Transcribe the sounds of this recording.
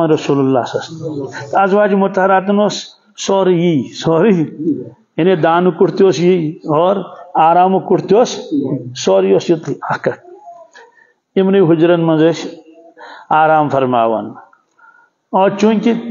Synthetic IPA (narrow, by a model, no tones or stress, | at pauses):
ɐnɾɐsuːlɐlːaːsɐst̪t̪ɐzʋaːd͡ʒimʊt̪ɐɦɐɾaːt̪̬unoːs | soːɾijisoːɾi | ined̪aːnukuʈʰt̪ijoːsjijɔːɾaːɾaːmukuʈʰt̪oːssoːɾijoːsjut̪iaːkɐk̚ | imnɐjɦʊd͡ʒɾɐnmɐnzɐs | aːɾaːmfʰɐɾma̰ːʋɐ̰n | oːɾt͡ʃuŋʲki